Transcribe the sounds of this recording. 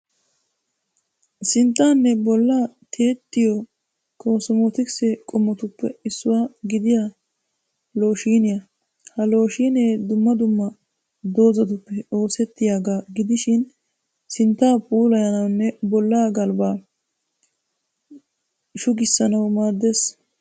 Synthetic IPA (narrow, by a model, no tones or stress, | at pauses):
sɪnt̪ːaːnːɛbɔlːaːt̪ʰeːt̪ːɪjɔ | kʰo̞ːsɔmɔt̪ɪksɛkʼɔmːɔt̪ʊpːɛ̰ɪsːʊwaːɡɪd̪ɪja | lo̞ːʃiːnɪjɐ | hɐlo̞ːʃiːneːd̪ʊmːɐd̪ʊmːɐ | d̪o̞ːzɐd̪ʊpːɛo̞ːsɛt̪ːɪjaːɡaːɡɪd̪ɪʃɪn | sɪnt̪ːaːpʼuːlɐjɐnɐwnːɛbɔlːaːɡɐlbaː | ʃʊɡɪsːɐnɐwmaːd̪ːeːs